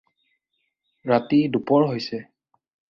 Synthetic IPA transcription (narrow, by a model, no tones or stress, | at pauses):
ɹatidupɔɹɦojsɛ